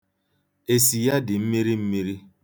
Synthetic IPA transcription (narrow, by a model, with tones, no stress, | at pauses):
e˨si˨ja˦dɪ˨m̩˦mi˦ɾi˦m̩˦mi˦ɾi˦